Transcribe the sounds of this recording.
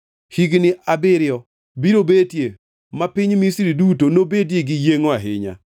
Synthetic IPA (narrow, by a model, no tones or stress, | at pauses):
hiɡnɪʔabɪɾjɔ | biɾobetje | mapɪɲmisiɾidutonobedjeɡɪjeŋoaɦɪ̰ɲa̰